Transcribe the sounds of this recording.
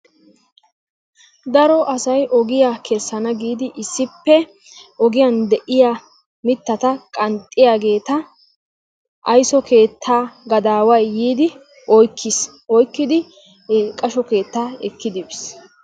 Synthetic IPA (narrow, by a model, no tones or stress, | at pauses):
d̪ɐɾɔʔɐsɐjʔɔɡɪjakʰɛsːɐnɐɡiːd̪ɪʔɪsːɪpːɛ | ɔɡɪjand̪ɛʔɪjaː | mɪt̪ːɐt̪ɐkʼɐnt̪ʼːɪjaːɡe̞ːt̪ɐ | ʔɐjsɔkʰe̞ːt̪ʰːaːɡɐd̪aːwɐjːiːd̪ɪ | ʔɔjkʰːɪs | ɔjkːɪd̪ɪ | kʼɐʃɔke̞ːt̪ːaːɛkːɪd̪ɪbɪs